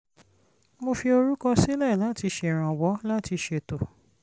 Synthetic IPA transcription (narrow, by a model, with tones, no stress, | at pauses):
mo˧fi˧o˧ɾu˦kã˦˧si˦lɛ˦˨la˨˦ti˧ʃe˧˨ɾ̃ã˨wɔ˨˦la˦ti˧ʃe˧˨to˨